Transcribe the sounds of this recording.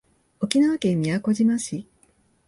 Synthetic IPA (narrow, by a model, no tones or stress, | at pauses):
o̞kʲinaβakẽ̞mːʲiako̞ʑimaɕi